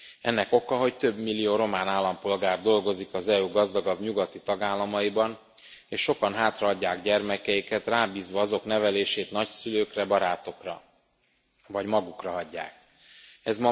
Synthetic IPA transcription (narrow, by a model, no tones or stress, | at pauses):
ɛ̰nːɛko̞kɒɦo̞ct̪ø̞bmilːijoːɾo̞maːnaːlːɒmpo̞lɡaːrd̪o̞lɡo̞zikɒzɛuːɡɒzd̪ɒɡɒbɲuɡɒt̪it̪ɒɡaːlːɒmɒibɒn | eːʃʃo̞kɒnɦaːt̪rɒɒɟːaːɡɟɛrmɛkɛjikɛt̪raːbiːzʋɒɒzo̞kn̪ɛvɛleːʃeːt̪nɒcsyløːkrɛbɒɾaːt̪o̞krɒ̰ | vɒɟmɒɡukrɒɦɒɟːa̰ːk̚ | ɛzmɒ